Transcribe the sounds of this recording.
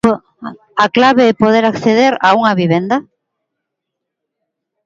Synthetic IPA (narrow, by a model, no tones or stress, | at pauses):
aklaβeepoðeɾakθeðeɾauŋɐβiβend̪ɐ